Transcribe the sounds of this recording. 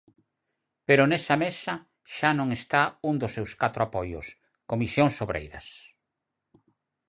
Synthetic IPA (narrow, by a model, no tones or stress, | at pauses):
peɾʊnɛsɐmesɐ | ʃanõŋest̪auŋd̪ʊsːewskat̪ɾoapojʊ̰s | komisjoŋsoβɾḛjɾɐs